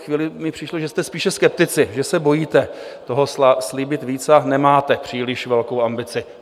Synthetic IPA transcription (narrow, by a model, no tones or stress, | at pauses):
xviːlɪmɪpr̥ɪʃloʒɛst̪ɛspiːʃɛskɛp̚t̪ɪt͡sɪʒɛsɛbo̞jiːt̪ɛ | t̪o̞ɦossliːbɪt̪viːt͡sanɛmaːt̪ɛpr̝̥iːlɪʃvɛlkowambɪt͡sɪ